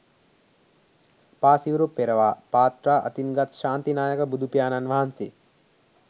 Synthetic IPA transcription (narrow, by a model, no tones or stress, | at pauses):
paːsiʋɾupːeɾɐʋaːpaːt̪ɾaːʔɐ̰t̪inɡɐt̪ʃaːnt̪inaːjəkəbud̪ʱupijaːnanʋɐɦanse